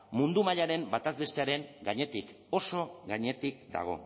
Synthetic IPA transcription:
mund̪umaʎaɾe̞mbat̪azβe̞st̪eaɾe̞ŋɡaɲe̞t̪ik | o̞so̞ɣaɲe̞t̪ikd̪a̰ɣ̞o̞̰

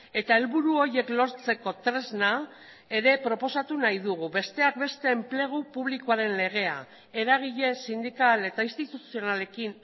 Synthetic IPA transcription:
e̞t̪ae̞lβuɾuo̞ɾje̞klo̞ɾt͡se̞ko̞t̪ɾe̞zna | e̞ɾe̞pɾo̞po̞sat̪unajðuɣ̞uβe̞st̪e̞ak̚be̞st̪e̞ːmple̞ɣ̞upuβlikoaɾe̞nle̞ɣ̞e̞a̰ | e̞ɾaɣ̞iʎe̞sind̪ikale̞t̪ainst̪it̪usio̞nale̞kin

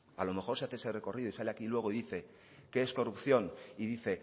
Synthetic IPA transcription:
alo̞me̞xo̞ɾseaθese̞re̞ko̞riðoisale̞akilwe̞ɣ̞o̞iðiθe̞ | ke̞esko̞rupθjo̞niðiθe̞

